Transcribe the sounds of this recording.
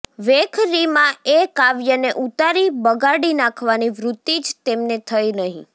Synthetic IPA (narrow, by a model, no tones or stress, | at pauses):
ʋekʰɾimãekaʋjəneʔut̪aɾibəɡaɽinãkʰʋaniʋɾut̪ːid͡ʒt̪emnet̪ʰəjnəɦḭ̃